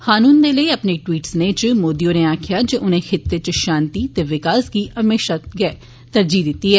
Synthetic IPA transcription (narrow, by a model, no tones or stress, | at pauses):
xaːnũːnd̪eːləiːəpneːʈwiːʈsnet͡ʃmoːd̪ijõːneːaːkʰɪjaːd͡ʒeʔʊnẽːxʰɪt̪ːeːt͡ʃʃaːnt̪iːt̪eːʋɪkaːsɡiːəmeːʃaːɡɛː | t̪əɾd͡ʒiːd̪ɪt̪ːiːɦɛː